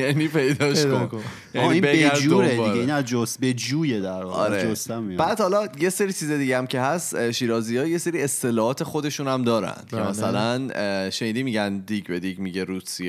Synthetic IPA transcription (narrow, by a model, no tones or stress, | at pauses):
jæniːpʰe̞jd̪ɒːʃko | jæiĩːbeɡæd͡ʒuːɾed̪ieinæzd͡ʒosbed͡ʒuːjed̪æɾvɒːɒ̰ɾeost̪æmibæːd̪hɒlɒjeseɾiːt͡ʃʰiːzed̪iɟeæmcʰe̞ɦæsʃiːɾɒːzijɒːje̞seɾiːest̪ʰe̞lɒːhɒːt̪ʰe̞xod̪eʃuːnæmd̪ɒːɾæ̰nd̪̥kʰemæsælænʃeniːd̪iːmiɟænd̪iɟbed̪iɟmiɟeɾuːsije